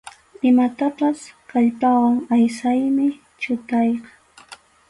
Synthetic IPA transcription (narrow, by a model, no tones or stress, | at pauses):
ɪmat̪apaskaʎpawaŋajsajmɪ | t͡ʃʊt̪ɑjqɑ